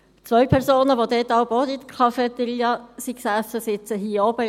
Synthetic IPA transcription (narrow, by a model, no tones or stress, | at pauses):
t͡sʋœɥpʰɛɾsoːnəʋod̪ɛt̪ɑwboːt̪it̪kʰɑfɛt̪əɾiːɑsiksæsəsɪt͡səɦiːɔb̥ə